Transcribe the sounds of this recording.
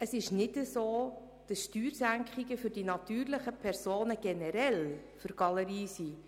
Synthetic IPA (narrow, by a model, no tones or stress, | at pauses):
əsɪʃnɪdəsoː | d̥ɑsʃtyːɾsæŋkχiɡəfʏrd̥inɑtyːrləχəpʰɛɾsoːnəɡ̥ɛnəɾɛl | fʏɾɡ̥ɑləɾiːsi